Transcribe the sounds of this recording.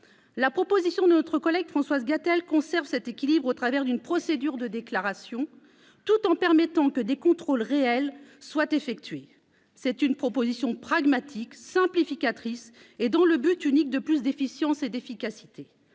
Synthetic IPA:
lapχɔpozisjɔ̃d̪ənɔt̪χəkɔlɛɡfχɑ̃swazɡat̪ɛlkɔ̃sɛʁvsɛt̪ekʲilibʁot̪χavɛʁd̪ynpχɔsed̪yʁd̪əd̪eklaʁasjɔ̃ | t̪ut̪ɑ̃pɛʁmɛt̪ɑ̃kəd̪ekɔ̃t̪χolʁeɛlswat̪efɛk̚t̪ɥe | sɛt̪ynpχɔpozisjɔ̃pχaɡmat̪ʰiksɛ̃plifikʲat̪χis | ed̪ɑ̃ləbyt̪ynik̚d̪əplysd̪efisjɑ̃sed̪efikʲasi̥t̪e

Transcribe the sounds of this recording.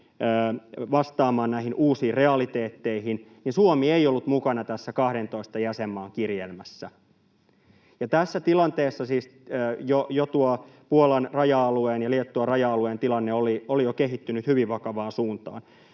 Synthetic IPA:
ʋɑst̪ɑːmɑːnnæihinʔuːsiːrreɑlit̪eːt̪ːeihin | ninsuomieiolːut̪mukɑnɑt̪æsːækɑhɾent̪oist̪ɑjæsemːɑːŋkirjelmæsːæ | jɑt̪æsːæt̪ilɑnt̪eːsːɑsiːsjojot̪uɔpuolɑnrɑjɑɑlueːnjɑliet̪ːuɑrɑjɑɑlueːnt̪ilɑnːeoliolijokeɦit̪ːynyt̪hyʋiʋʋɑkɑʋɑːnsuːnt̪ɑ̰ːn

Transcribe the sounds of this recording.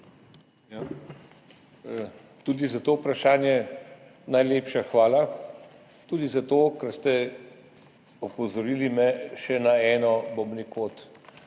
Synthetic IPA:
ja | t̪uːd̪izat̪oːpɾaʃaːnjɛ | najleːpʃaxʋaːla | t̪ud̪izat̪oːkɐɾst̪ɛ | ɔpɔzɔɾiːlimɛʃɛnaɛːnɔbɔbnikoːt̪

